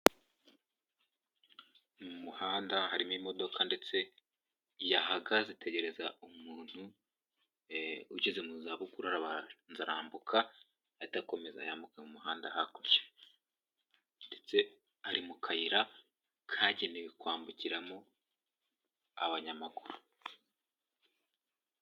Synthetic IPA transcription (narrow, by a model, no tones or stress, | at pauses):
mumuhaːndahaɾimimo̞do̞kʰande̞t͡se̞ | jahaɡazitʰe̞ɟe̞ɾe̞zaumuːn̥hu | uɟizemuzaβukuɾaɾaβanzaɾaːmbukʰa | atako̞me̞za̰jaːmbukamumuɦaːndahakoje̥ | nde̞t͡se̞ | aɾimukʰajiɾa | kʰaːɟenekwaːmbuciɾamo | a̰βaɲamakuɾu